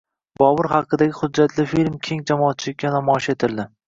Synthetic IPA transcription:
bɒvɨɾhɑqʰːɨd̪aɡʲɪχʊd͡ʒːat̪ʰlɪfilmkʲʰe̞ŋd͡ʒamɒːt̪̚t͡ʃʰɪlɪkʲːanamɒɪʃe̞t̪ʰɪɾd̪ɪ

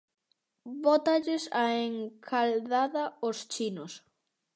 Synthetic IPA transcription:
βɔt̪aʎɪsaeŋkʰalðaðɐost͡ʃinos

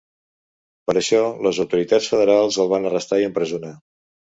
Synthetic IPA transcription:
pəɾəʃɔləzəwt̪uɾit̪at͡sfəðəɾalˠzəlˠβ̞anərəst̪aiəmpɾəzuna

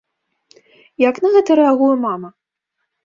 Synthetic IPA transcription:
jaknɐɣɛt̪ɐɾɛaɣujɛmamɐ

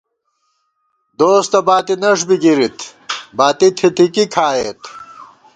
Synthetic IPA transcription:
d̪oːst̪ɐbaːt̪inɐʂ̬biɡiɾit̪ʰbaːt̪it̪ʰit̪ʰikikʰaːjeːt̪

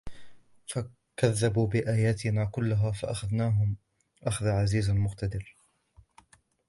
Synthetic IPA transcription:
fa | kaðːabuːbɪʔaːjaːt̪ɪnaːkʊlːʊɦaːfaʔaxaðnaːɦʊm | ʔaxaðaːʕaziːzamʊqt̪ad̪ɪɾ

